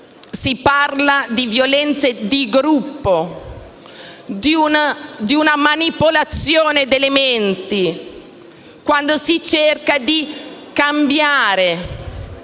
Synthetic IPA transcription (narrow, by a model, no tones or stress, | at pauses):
siparlad̪ivjolɛnt̪sed̪iɡɾupːo | d̪iund̪iunamanipolat̪sːjoːned̪element̪i | kwand̪osit͡ʃerkad̪ikambjaːɾe